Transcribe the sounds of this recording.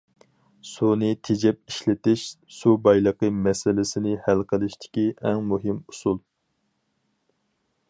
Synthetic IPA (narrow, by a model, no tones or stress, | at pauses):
sunɨt̪ʰed͡ʒɛp̚iʃlɪt̪ɪʃ | subɑjlˠəqəmɛsɪlɪsɪnɪhælqʰəlˠɪʃt̪ʰɪ̥kʲiʔɛŋmuɦɪmu̥sulˠ